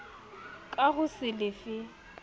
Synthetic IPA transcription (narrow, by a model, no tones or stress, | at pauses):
kʼaɣʊsɪlɪfɪ